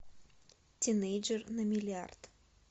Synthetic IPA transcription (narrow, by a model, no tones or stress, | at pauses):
t̪ʲinejd͡ʒərnɐmʲɪlʲɪa̰rt̪